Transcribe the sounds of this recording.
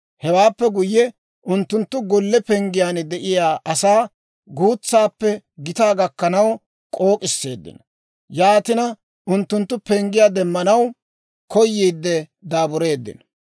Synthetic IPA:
hɛwaːpːɛɡʊjːɛ | ʔʊnt̪ːʊnt̪ːʊɡɔlːɛpɛŋɡɪjaːnd̪ɛʔɪjaːʔɐsaː | ɡuːt͡sːaːpːɛ | ɡɪt̪aːɡɐkːɐnɐw | kʼo̞ːkʼɪsːe̞ːd̪ːɪ̰n | jaːt̪ɪnɐ | ʔʊnt̪ːʊnt̪ːʊpɛŋɡɪjaːd̪ɛmːɐnɐw | kɔjːiːd̪ːɛ | d̪aːbʊɾe̞ːd̪ːɪ̰n

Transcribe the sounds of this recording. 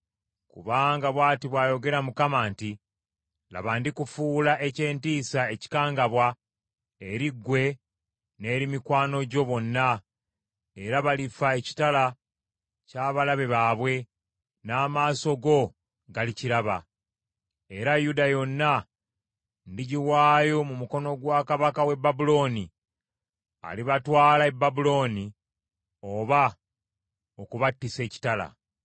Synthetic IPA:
kṵβaːŋɡaβwaːtiβwaːjo̞ɡe̞ɾamukamaːnti | la̰βandikufuːlaʔe̞ce̞ːntiːsae̞ci̥kaːŋɡaβwa | e̞ɾiɡːwe̞ | ne̞ːɾimikwaːno̞ɟo̞βo̞nːa | e̞ɾaβalifaeci̥tala | caːβalaβe̞βaːβwe̞ | naːmaːso̞ɡo̞ | ɡaliciɾaβa̰ | e̞ɾajudajo̞nːa | ndiɟiwaːjo̞mumuko̞no̞ɡwaːkaβakawe̞bːabulo̞ni | a̰liβatwaːlaebːabulo̞ni | o̞βa | okuβatːise̞ːci̥tala̰

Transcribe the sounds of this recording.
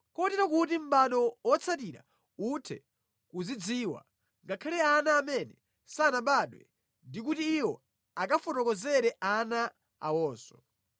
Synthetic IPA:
kɔtiɾakutim̩ɓaɗɔwɔt͡sʰatiɾa̰ | utʰɛ̰ | kuzid͡ziːwa̰ | ŋɡakʰalɛanaːmɛnɛ | sanaɓaɗwɛ̰ | ndik̬utiːwɔ | akafɔtɔkɔzɛɾɛʔana | a̰wɔːsɔ̥

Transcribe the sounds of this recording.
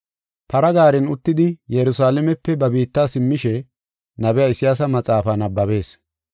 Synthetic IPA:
pɐɾɐɡaːɾɛnʊt̪ːɪd̪ɪjɛɾʊsaːlɛmɛpːɛbɐbiːt̪ːaːsɪmːɪʃɛ | nɐbɛjaɪsɪjaːs̬ɐmɐt͡sʼaːfanɐbːɐβe̞ːs

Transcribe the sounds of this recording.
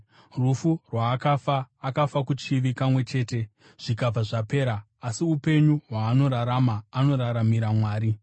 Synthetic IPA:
rufurwaːkafaːkafakut͡ʃiʋikamwe̞t͡ʃe̞ːte̞ | ʐ̥ikab͡vaʐape̞ːɾaː | siupe̞ɲuɦwaːno̞ɾaɾamaːno̞ɾaɾamiɾamwaːɾi

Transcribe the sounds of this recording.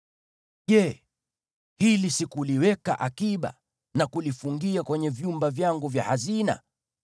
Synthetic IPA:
ʄɛ | hilisikuliwɛka̰ʔakiɓa̰ | nakulifuŋɡiakwɛɲɛvjumbavjaŋɡuvja̰hazina̰

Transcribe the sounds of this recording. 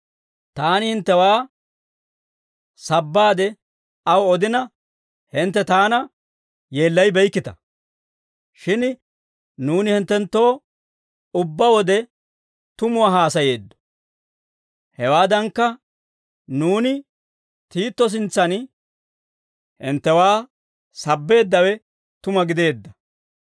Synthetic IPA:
t̪aːnɪhɪnt̪ːɛwaː | sɐbːaːd̪ɛ | ɐwɔd̪ɪnɐ | hɪnt̪ːɛt̪aːnɐ | je̞ːlːɐjbɛjkːɪt̪ɐ̰ | ʃɪn | nuːnɪhɪnt̪ːɛnt̪ːo̞ː | ʊbːɐwɔd̪ɛ | t̪ʊmʊwaːɦaːsɐje̞ːd̪ːɔ̥ | hɛwaːd̪ɐŋkːɐ | nuːnɪ | t̪iːt̪ːɔs̬ɪnt͡sːɐn | hɪnt̪ːɛwaː | sɐbːe̞ːd̪ːɐwɛ | t̪ʊmɐɡɪd̪e̞ːd̪ːɐ

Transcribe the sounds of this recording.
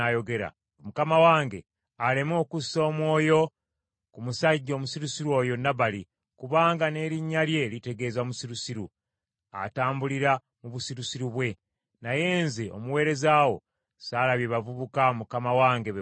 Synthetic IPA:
ajo̞ɡe̞ɾa̰ | mukamawaːŋɡe̞ | alemo̞ːkuso̞ːmwo̞ːjo̞ | kumusaɟːo̞ːmusiɾusiɾwo̞ːjo̞naβali | kuβaːŋɡane̞ːɾiɲːalje̞lite̞ɡe̞ːzamusiɾusiɾu | a̰taːmbuliɾa | muβusiɾusiɾuβwe̞ | naje̞ːnzio̞̰muwe̞ːɾe̞zaːwo̞̰ | saːlaβjeβavuβukamukamawaːŋɡe̞β

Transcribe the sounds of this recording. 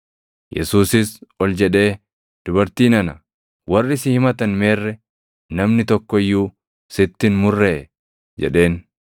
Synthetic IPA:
jɛ̰suːsɪsɔld͡ʒɛᶑe̞ː | d̪̥ʊbɐɾt̪iːnɐnɐ | wɐrːɪsɪhɪmɐt̪ɐnme̞ːrːɛ | nɐmnɪt̪ɔkːɔɪjːuː | sɪt̪ːɪnmʊrːeː | d͡ʒɛ̰ᶑe̞ːn

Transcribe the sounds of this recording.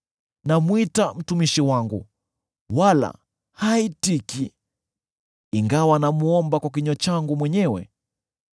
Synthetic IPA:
namwitam̩tumiʃiwaŋɡṵ | wala̰ | haitiki | iŋɡawanamuɔmbakwak̬iɲɔt͡ʃaŋɡumwɛɲɛwɛ̰

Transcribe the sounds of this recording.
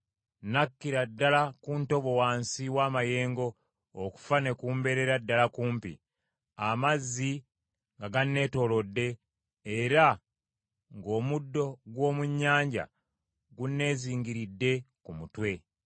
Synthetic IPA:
nakːiɾadːalakunto̞βo̞waːnsiwaːmaje̞ːŋɡo̞ː | ku̥fane̞kuːmbe̞ɾe̞ɾadːalakuːmpḭ | amazːi | ŋɡaɡanːe̞ːto̞lo̞dːe̞ː | ɾa | ŋɡo̞ːmudːo̞ɡwo̞ːmuɲːaːɲɟa̰ | ɡunːe̞ːziːŋɡiɾidːe̞kumutwe̞

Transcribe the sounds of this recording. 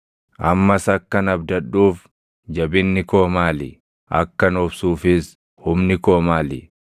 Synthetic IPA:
ʔɐmːɐsɐkːɐnɐbd̪ɐᶑuːf | d͡ʒɐbɪnːɪko̞ːmaːlɪ̰ | ʔɐ̰kːɐnɔbsuːfɪs | hʊmnɪko̞ːmaːlɪ

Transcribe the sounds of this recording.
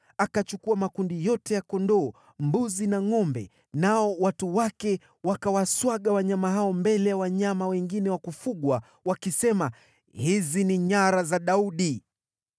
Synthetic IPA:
akat͡ʃukuamakundijɔtɛjakɔndɔː | mbuzinaŋɔmbɛ̰ | naɔwatuwakɛ | wakawaswaɠawaɲamaɦaɔmbɛlɛjawaɲamawɛŋɡinɛwakufuɠwa | wakisɛma | hiziniɲaɾazaɗauɗi

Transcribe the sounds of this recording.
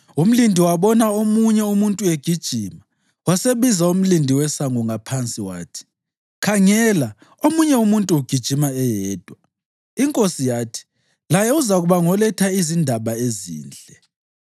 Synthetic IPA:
um̩lindʱiwaβɔnaomuɲɛumuntʼueɡ̥ʱid̥ʒ̥ʱima | waseβizaum̩lindʱiwɛsaŋuŋapʰant͡sʼiwa̰ːtʰi̥ | kʰaŋɛla | omuɲɛumuntʼuuɡ̥ʱid̥ʒ̥ʱimaɛjɛːd̥ʱwa | iŋkʼosijaːtʰi̥ | lajɛuzaɣuβaŋɔlɛtʰaizindʱaβaezḭːnd͡ɮʱɛ

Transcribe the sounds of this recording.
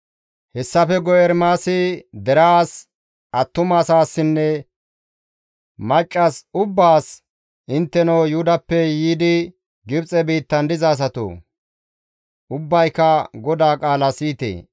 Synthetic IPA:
hɛsːɐfɛɡɔjɛɾmaːsɪd̪ɛɾaaːs | ʔɐt̪ːʊmaːsaːsːɪnːɛ | mɐt͡ʃʼːɐsʊbːaːs | ʔɪnt̪ːɛnɐwjud̪ɐpːɛjiːd̪ɪ | ɡɪbt͡sʼɛbiːt̪ːɐnd̪ɪzaːs̬ɐt̪o̰ː | ʊbːɐjkɐɡɔd̪aːkʼaːlɐsiːt̪ḛː

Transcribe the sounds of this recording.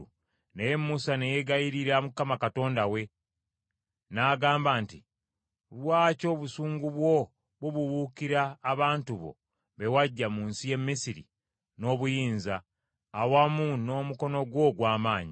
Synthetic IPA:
nejemːusane̞jeɡajiɾiɾamukːamakato̞ːndawe̞ | naːɡaːmbaːnti | βwaːco̞ːβusuːŋɡuβwo̞ | βuβuβukiɾaːβaːntuβo̞̰ | βe̞waɟːamunsije̞mːisiɾḭ | no̞ːβujiːnzaː | wamuno̞ːmuko̞no̞ɡwo̞ɡwaːmaːɲi

